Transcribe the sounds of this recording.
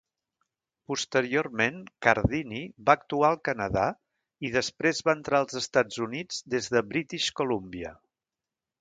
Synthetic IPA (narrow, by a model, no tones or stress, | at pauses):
pust̪əɾioɾmeŋkəɾðiniβaːk̚t̪uaəlˠkənəða̰ | iðəspɾezβaənt̪ɾaəlˠzəst̪ad͡zunid͡zd̪ezðəβɾit̪iʃkulumbiə̰